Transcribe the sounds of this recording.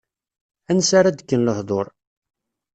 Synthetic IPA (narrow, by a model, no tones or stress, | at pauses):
ænsaɾad̪əkːənləhðˤoɾˤ